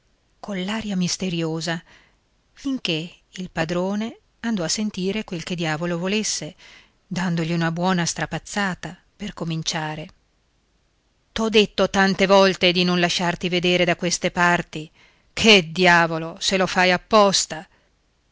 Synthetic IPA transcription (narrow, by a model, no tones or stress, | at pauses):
konlːaːɾjamist̪eɾjoːza | fiŋk̟eilpad̪ɾoːne | and̪ɔasːent̪iːɾekwelked̪jaːvolovolesːe | d̪and̪oʎiunabwɔːnast̪ɾapat̪sːaːt̪a | perkomint͡ʃaːɾe | t̪ɔd̪ːet̪ːot̪ant̪evɔlt̪ed̪inonlaʃːart̪ived̪eːɾed̪akwest̪epart̪i | kʰed̪jaːvoloselofajapːɔst̪a